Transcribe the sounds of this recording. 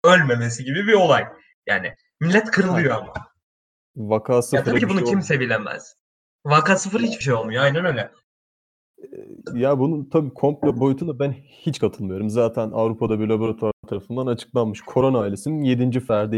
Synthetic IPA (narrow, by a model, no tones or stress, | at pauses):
ø̞lʲme̞me̞siɟibibio̞lˠaj | ja̰ːnɪ̰ | milʲːɛt̪kʰɯɾɯlˠɯjo̞ama̰ | vakʰaːsɯaɾaicʰibunucimse̞vilʲemæ̰z̥ | vakaːsɯfɯɾhit͡ʃbiʃ̬ejo̞lˠmujoajnænøjlʲɛ | jabununt̪ʰabiːkʰo̞mplʲɛbo̞jut̪ʰund̪abænhit͡ʃkʰat̪ʰɯlˠmɯjo̞ɾumzaːt̪ʰænavɾupʰad̪abiɾlˠabo̞ɾat̪ʰaɾt̪ʰaɾafɯnd̪anat͡ʃʰɯ̥k̚lˠanmɯʃkʰo̞ɾo̞naːilʲe̞sininje̞d̪ind͡ʒifæɾd̪i